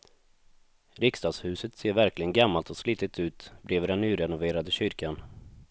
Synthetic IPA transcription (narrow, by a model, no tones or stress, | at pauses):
ɾɪkst̪ɑːɡshʉ̟ːsət̪seːɾvæɾklɪɡənɡamːalt̪ɔsliːt̪ɪt̪ʰʉ̟ːt̪bɾeːvd̪ɛnːyːɾɛnʊveːɾad̪əɕʏɾkan